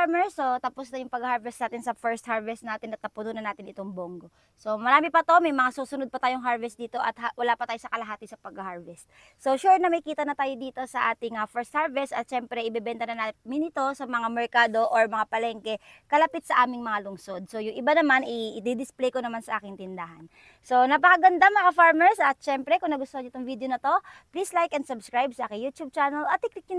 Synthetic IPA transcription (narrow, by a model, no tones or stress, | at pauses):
aɹmɛɹsot̪ɐposd̪ɐjʊŋpɐɡɐhaɹvɛst̪naːt̪ɪnsɐfɛɹst̪haɹvɛst̪naːt̪ɪnɐt̪ːɐpʊnunɐnaːt̪ɪnʔɪt̪o̞ŋboŋɡo̞ | so̞mɐɾaːmɪpɐt̪omɐjmɐŋasuːsʊnod̪̚pɐt̪aːjoŋɦaɹvɛst̪̚d̪iːt̪o̞ʔɐt̪hawɐlaːpɐt̪aːjosɐkɐlɐɦaːt̪ɪsɐpɐɡɐhaɹvɛst̪ | so̞ʃuɹnɐmɐjkiːt̪ɐnɐt̪aːjo̞d̪iːt̪o̞sɐʔaːt̪ɪŋɐfɛɹst̪haɹvɛst̪ɐt̪̚ʃɛmpɾɛʔɪbɛbɛnt̪ɐnɐnamɪnɪt̪o̞sɐmɐŋamɛɹkaːd̪oʔoɹmɐŋapɐlɛŋkɛ | kɐlɐpɪt̪̚sɐʔaːmɪŋmɐŋalʊŋso̞d̪̚so̞jʊŋʔɪbanɐmanɪd̪ɪd̪ɪsplɛjkonɐmansɐʔaːkɪŋt̪ɪnd̪aɦɐn | so̞nɐpɐkɐɡɐnd̪amɐŋafaɹmɛɹsʔɐt̪̚ʃɛmpɾɛkʊŋnɐɡʊst̪oɐɲoɪt̪oŋvid̪ejonɐt̪o̞plislajkɛnd̪sʊbskɹajb̚sɐakɪjuːt̪jub̚t͡ʃaːnɐlʔɐt̪̚ːɪk̚nɪk̚ɲʊ